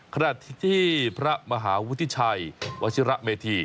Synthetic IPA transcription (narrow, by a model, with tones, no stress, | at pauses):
kʰa˧na˨˩t̪ʰt̪ʰiː˥˩pʰɾa˦˥ma˧ɦaː˩˦wu˦˥t̪ʰːi˦˥t͡ɕʰa˧jwa˧sʰi˦ɾa˦˥ʔmeː˧t̪ʰiː˧